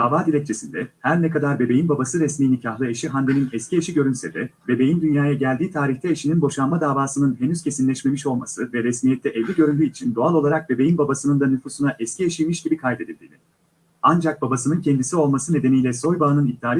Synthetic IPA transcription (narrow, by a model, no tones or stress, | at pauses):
d̪aːvaːd̪ilʲɛc̚t͡ʃʰe̞sind̪ɛhæɾnɛkad̪aɾbe̞be̞jinbabasɯɾɛsmiːnicʰaɦlˠɯeʃiɦand̪eninɛscieʃiɟø̞ɾynsɛd̪ɛbe̞be̞jind̪ynjaːjaɟælʲd̪iːt̪ʰaːɾiçt̪ʰɛeʃininbo̞ʃanmad̪aːvaːsɯnɯnɦe̞nyz̥cʰe̞sinlʲɛʃme̞miʃo̞lˠmasɯvɛɾɛsmijɛt̪ʰːɛʔɛvlʲiɟø̞ɾynd̪ʲyit͡ʃʰind̪o̞alˠo̞lˠaɾak̚be̞be̞jinbabasɯnɯnd̪anyfuːsunaʔɛscʰieʃijmiʃɟibikʰajd̪e̞d̪ilʲd̪ḭnʲi | and͡ʒak̚babasɯnɯncʰɛnd̪isio̞lˠmasɯne̞d̪e̞nijlʲɛso̞jbaːnɯnid̪̚ːaːlʲ